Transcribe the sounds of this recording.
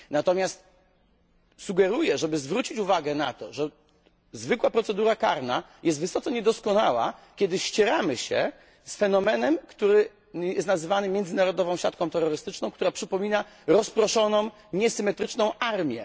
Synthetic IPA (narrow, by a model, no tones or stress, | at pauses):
nat̪ɔmʲast̪ | suɡɛɾujɛʐɛbɘzvɾut͡ɕit͡ɕuvaɡɛna̰t̪ɔʐɛ | zvɘkwapɾɔt̪sɛd̪uɾaka̰ɾna | jɛst̪vɘsɔt̪sɔɲɛd̪ɔskɔnawa̰kʲɛd̪ɘɕt͡ɕɛɾamɘɕɛ̰ | sfɛnɔmɛnɛmkt̪uɾɘ | jɛst̪nazɘvanɘmʲjɛnd̪zɘnaɾɔd̪ɔvɔ̃w̃ɕat̪̚kɔ̃t̪ɛɾːɔɾɘst̪ɘt͡ʂnɔ̃w̃kt̪uɾapʂɘpɔmʲina | ɾɔspɾɔʂɔnɔ̃w̃ | ɲɛsɘmɛt̪ɾɘt͡ʂnɔ̃w̃ʔaɾmʲjɛ̰